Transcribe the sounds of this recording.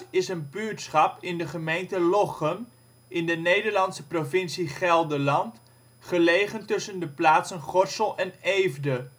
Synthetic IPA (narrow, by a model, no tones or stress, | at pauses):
ɪsənbytsχɑpɪndəχəmejntəlɔχən | ɪndənejdəɹlɑnsəprovɪnsiχɛlˠdəlɑnt | χəlejχəntɵsəndəplaːtsənχɔɹsəlˠʔɛnejvdə